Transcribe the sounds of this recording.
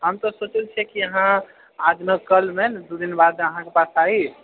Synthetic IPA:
ɦəmt̪ɔsot͡ʃəlt͡ʃʰiɛkiəɦã | ad̪mekəlmend̪ud̪inbad̪eəɦãkepasai

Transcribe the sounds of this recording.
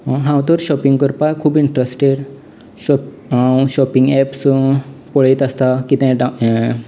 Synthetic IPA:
ɦãwt̪əɾɕɔpiŋɡkəɾpajkʰuːbiɳʈɾesʈeɽ | ɔ | ɕɔpiŋɡɛpspɔɭit̪ast̪akit̪ɛ̃ɖa

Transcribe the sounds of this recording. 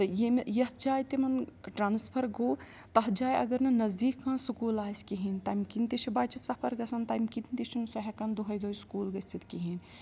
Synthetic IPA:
t̪ɨjemjɐɦt̪d͡ʒaːjt̪imɐnʈɾaːnspʰɐɾɡoː | t̪ɐɦd͡ʒaːjɐ̰ɡɐɾnɐnɐzd̪iːkʰːãːsukuːlaːsʲkiɦint̪ɐːmʲkint̪it͡ʃʰibaːt͡ʃit̪sɐpʰɐɾɡɐsɐnt̪ɐːmkit̪nt̪it͡ʃʰunsɐɦʲɐkɐnd̪oɦɐjd̪oːjskuːlɡɐsʲt̪it̪kiɦin

